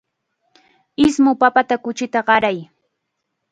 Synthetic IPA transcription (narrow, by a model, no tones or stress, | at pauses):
ɪsmʊpapat̪akʊt͡ʃɪt̪aɢɑɾaj